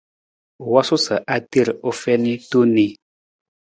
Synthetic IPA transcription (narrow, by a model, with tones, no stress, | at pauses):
wa˦su˦sə˨ʔa˦ti˦˨ɾo˦fɛ˦ni˦tu˦ni˦